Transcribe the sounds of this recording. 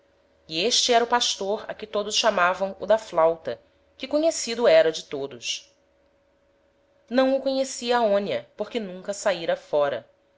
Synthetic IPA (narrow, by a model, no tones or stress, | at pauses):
ieʃt͡ʃɪɛɾɐʊpaʃt̪oɾɐ̰kɪt̪od̪ʊsʃamavɐ̃w̃ʊd̪ɐflawt̪ɐ | kɪkoɲesid̪ʊɛɾɐd͡ʒɪt̪od̪ʊs | nɐ̃w̃ʊkoɲesiɐːõniɐpokɪnũŋkɐsaiɾɐfɔɾɐ